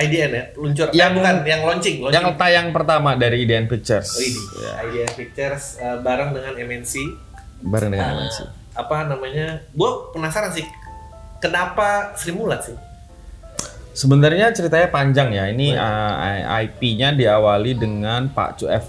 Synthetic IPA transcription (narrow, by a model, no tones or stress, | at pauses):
ajdiɛnaluɲt͡ʃʊrjaŋbkanjaŋlɔɲt͡ʃɪŋlɔjaŋət̪ajaŋpərt̪amadaɾiːdiɛnfik̚t͡ʃərsija̰ajdiɛnfik̚t͡ʃərsəbaɾəŋdəŋanɛmɛnsi | baɾə̰ŋdəŋanɛ̰mɛ̰nsḭ | apanamaɲabuapənasaɾansɪ | kənapasəɾimulat̪sɪh | səbənarɲat͡ʃəɾit̪aɲapaɲd͡ʒaŋjainiəa̰jpiɲadiawalidəŋanpa̰t͡ʃuɛ̰f